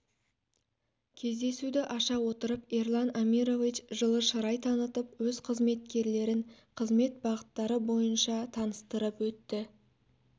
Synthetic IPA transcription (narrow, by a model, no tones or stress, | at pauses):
kʲʰe̞zd̪e̞sud̪ɪʔɑʃɑwo̞t̪əɾəperlˠɑnamiɾo̞vit͡ʃʒəlˠəʃəɾɑjt̪ʰɑnət̪əpwɵzqʰəzme̞t̪̚kʲe̞ɾle̞ɾɪnqʰəzme̞t̪̚bɑʁət̪ːɑɾəbo̞jənʃɑt̪ʰɑnəst̪əɾəpwɵt̪ːɪ